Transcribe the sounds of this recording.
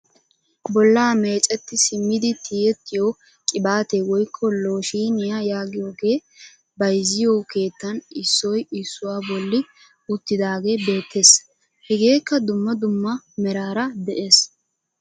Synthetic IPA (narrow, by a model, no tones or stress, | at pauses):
bɔlːaːme̞ːt͡ʃʼɛt̪ːɪsɪmːɪd̪ɪt̪ʰiːɛt̪ːɪjo | kʼɪbaːt̪eːwɔjkʰːɔlo̞ːʃiːnɪjajaːɡɪjoːɡeː | bɐjzɪjoːke̞ːt̪ːɐnɪsːɔjɪsːʊwaːbɔlːɪ | ʊt̪ːɪd̪aːɡe̞ːbe̞ːt̪ʰːe̞s | hɛɡe̞ːkːɐd̪ʊmːɐd̪ʊmːɐ | mɛɾaːɾɐd̪ɛʔe̞ːs